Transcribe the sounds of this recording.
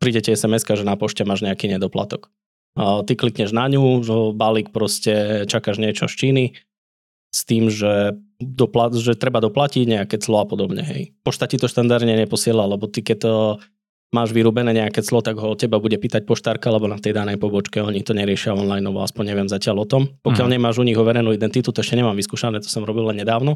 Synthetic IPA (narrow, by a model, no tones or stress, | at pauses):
pɾiːɟɛcɛɛsɛmɛskaʒɛnapɔʃcɛmaːʒɲɛakiːɲɛd̪ɔpla̰t̪ɔkː | t̪iklikɲɛʒnaɲuɔbalik̚pɾɔscɛt͡ʃakaʒɲɪɛt͡ʃɔ̰ʃt͡ʃiːni | st̪iːmʒɛd̪ɔplaʒɛt̪ɾɛbad̪ɔplaciɟɲɛakɛt͡slɔapɔd̪ɔbɲɛ̰ɦɛ̰jpɔʃt̪acit̪ɔʃt̪and̪aɾd̪ɲɛɲɛpɔsɪɛlalɛbɔt̪ikɛt̪ | maːʒʋiɾuːbɛnɛːɲɛakɛt͡slɔt̪aɡɦɔɔcːɛbabuɟɛpiːt̪ac̚pɔʃt̪aɾkaalɛbɔnat̪ɛjd̪anɛjpɔbɔt͡ʃkɛɔɲit̪ɔɲɛɾɪɛʃɪaɔnlajnɔʋɔ̰a̰spɔɲɲɛʋɪɛmzacɪalɔt̪ɔmpɔkɪjaʎɲɛmaːʒuɲiɣɔʋɛɾɛjnuːid̪ɛnt̪it̪ut̪ɔɛʃcɛɲɛmaːmʋiskuːʃanɛːt̪ɔ̥sɔmɾɔbilːɛnɲɛd̪aːʊnɔ